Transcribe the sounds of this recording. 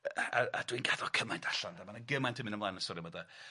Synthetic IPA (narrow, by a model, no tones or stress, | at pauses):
aadwinɡaðɔkʰəmajntʰḁɬandamanaɡɪmajntʰəmɪnəmlˠanəsɔɾimɔda